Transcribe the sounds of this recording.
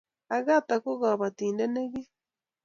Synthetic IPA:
a˨ɣa˦t̪a˨ko˦ɣa˨βa˨tiː˨nde˦ne˦ɣe˦

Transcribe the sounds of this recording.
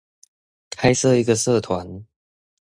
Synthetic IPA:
kʰa˥ɪsɤ˥˧i˧˦˥ɡə˧sɤ˥˧˨t̪ʰwa˧˦n

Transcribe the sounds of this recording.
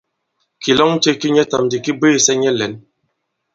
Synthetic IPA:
ki˨lɔ˦ŋ̩˦te˦ki˦ɲɛ˦ta˨mdi˨ki˦be˦˨sɛ˦ɲɛ˦lɛ˨˦n

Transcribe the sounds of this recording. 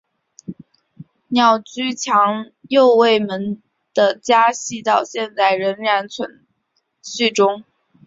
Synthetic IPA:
njɑ˥˩ʊt͡ɕy˥t͡ɕʰjɑ˧˥ŋ | jo˥˧ʊwe˥˩ɪmə˧˥n | d̪̥ə˧t͡ɕja˥ɕi˥˧t̪ɑ˥˧ʊɕjɛ˥˧nt͡sa˥˩ɪɻə˧˥nɻa˧˥nt͡sʰwə˧˥n | ɕy˥˩ʈ͡ʂʊ˥ŋ

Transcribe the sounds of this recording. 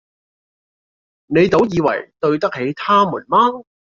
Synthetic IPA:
ne˨˧jt̪o˨˥wjiː˨˧wɐ̰˨˩jt̪ɵ˧ɥt̪ɐ˥k̚he˨˥jt̪ʰaː˥mṵː˨˩nmaː˥n

